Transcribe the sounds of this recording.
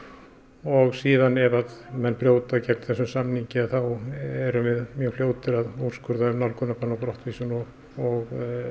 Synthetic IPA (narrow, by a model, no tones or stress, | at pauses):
ɔɣsiːðanɛvaðmɛnːpɾjoːwt̪acɛk̚nθɛsʏmsamniɲcɪaðθawɛɾʏvɪðmjœːɣljoːwt̪ɪɾaður̥skʏɾðaʏmnawlkʰʏnːakʰɔnːapɾɔht̪viːsʏnɔ | ɔɣ